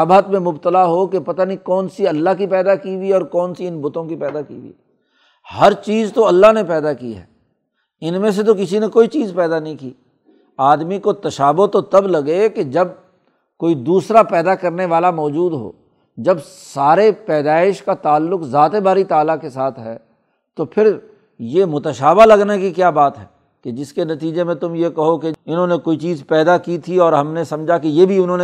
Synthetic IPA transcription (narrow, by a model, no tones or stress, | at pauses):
bat̪mẽmʊbt̪əlaɦokepɐt̪anikɔːnsiɐlːaɦkipɛːd̪akibiɔːɾkɔːnsiɪnbʊt̪õkipɛːd̪akḭːbḭ | hɐɾt͡ʃiːzt̪oɐlːaɦnepɛːd̪akḭɦɛ̰ː | ɪnmẽs̬et̪̬ok̬ɪs̬inekoːit͡ʃiːzpɛːd̪anɐɦĩkiː | aːd̪mikot̪ɐʃaːbʊɦt̪ot̪ɐblɐɡeked͡ʒɐb̚ | koːid̪uːsɾapɛːd̪akɐɾneʋaːlamɔːd͡ʒuːd̪ɦo̰ː | d͡ʒɐbsaːɾepɛːd̪aːɪʃkat̪aːlːʊkzaːt̪ebaːɾit̪aːlakesaːt̪ʰɦɛː | t̪opʰɪɾ | jemʊt̪əʃaːbalɐɡnakikjaːbaːt̪ɦɛː | ked͡ʒɪskenɐt̪iːd͡ʒemẽt̪ʊmjekɐɦokeɪnɦõːnekoːit͡ʃiːzpɛːd̪akit̪ʰiɔːɾɦɐmnesɐ̃md͡ʒʱakejebʱiʊnɦõːne